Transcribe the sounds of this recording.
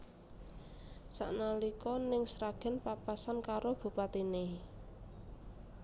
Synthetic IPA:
sa̰ʔnalikɔnɪŋsɾaɡ̥ɛ̤npapasankaɾob̥ṳpat̪ine

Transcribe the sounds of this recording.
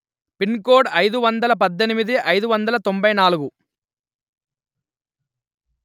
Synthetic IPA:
pinkoːɖɐjd̪uʋɐnd̪ɐlɐpɐd̪ːenimid̪iʔɐjd̪uʋɐnd̪ɐlɐt̪ombɐjnaːluɡu

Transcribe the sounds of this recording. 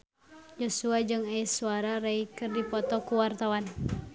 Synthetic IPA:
d͡ʒɔsuad͡ʒɨŋajsuaɾaɾaikɨrdipɔt̪ɔkuwart̪awan

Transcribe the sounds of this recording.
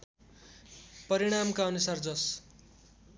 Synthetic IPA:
pʌɾiɽ̃amkaʌnusard͡zʌs

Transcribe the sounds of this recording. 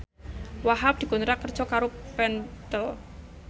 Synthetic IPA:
waɦap̚d̪̥i̤kunɾakər̥ʒ̥ɔkaɾopɛnt̪ɔ

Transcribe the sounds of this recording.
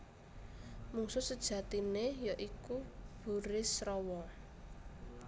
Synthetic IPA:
muŋsʊsəd̥ʒ̥ä̤t̪inejɔʔikub̥ṳɾɪsrɔwɔ

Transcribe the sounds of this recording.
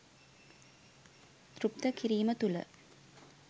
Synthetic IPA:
t̪ɾup̚t̪əkiɾiːmət̪ulə̰

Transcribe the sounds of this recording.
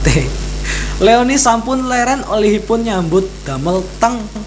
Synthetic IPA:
t̪e | leonisampʊnlɛɾanoliɦipʊnɲambʊt̪̚d̪̥a̤məlt̪əŋ

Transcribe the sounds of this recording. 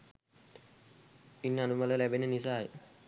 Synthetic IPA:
inːanumalelɛbenenisaj

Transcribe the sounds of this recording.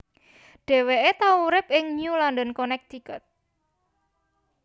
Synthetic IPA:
ɖ̥ɛ̤weʔet̪auɾɪp̚ʔɪŋɲulɔnd̪ənkonɛk̚t̪ikɔt̪̚

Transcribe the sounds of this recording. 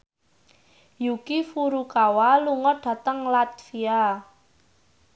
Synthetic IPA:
jukifuɾukawaluŋɔɖ̥ä̤t̪əŋlat̪fia

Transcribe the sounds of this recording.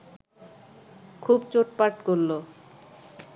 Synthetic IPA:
kʰubt͡ɕoʈpaɾʈkoɾlo

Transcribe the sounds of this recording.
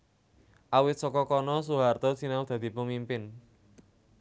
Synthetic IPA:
ʔawɪt̪̚sɔkɔkɔnɔs̬uɦart̪ɔsinaud̪̥ä̤d̪̥i̤pumimpɪn

